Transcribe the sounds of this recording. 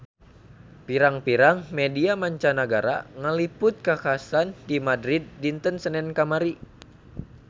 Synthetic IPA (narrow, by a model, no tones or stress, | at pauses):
piɾaŋpiɾaŋmediamaɲt͡ʃanaɡaɾa̰ŋəlipʊt̪̚kakasandimadɾid̪̚ːint̪ənsənɛnkamaɾi